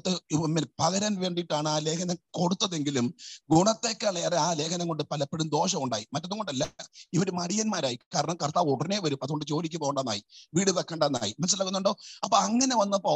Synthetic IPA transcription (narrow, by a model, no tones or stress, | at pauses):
t̪ːɨimːelpɐɣɐɾɐnʋe̞ːɳɖiʈːaːɳɨaːle̞ːkʰɐnɐko̞ɽut̪ːɐðe̞ŋɡilumɡuɳɐt̪ːe̞ːkːɐɭeːreaːle̞ːkʰɐnɐŋɡoɳɖɨpɐlɐpːeɽumd̪o̞ːʂɐmuɳɖa̰ːjimɐtːɐðuŋɡo̞ɳɖɐlːɐiʋɐɾumɐɽijɐnmaːɾaːjikaːɾɐɳɐmkɐrt̪aːʋoɽɐne̞ːʋɐɾuɐðuɣoɳɖɨt͡ɕo̞ːlik̬ʲːupoɣɐɳɖɐnːa̰ːjiʋiːɽɨʋɐkːeːɳɖɐnːa̰ːjimɐnɐsɐlːɐɣunːuɳɖo̞ːɐpːoɐŋːɐne̞ʋɐnːɐpoː